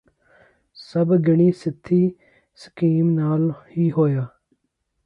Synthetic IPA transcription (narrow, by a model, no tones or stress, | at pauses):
səbɡɪɳ̃iːsɪt̪ʰːiː | sə̥kiːmnaːlhiːɦoːjaː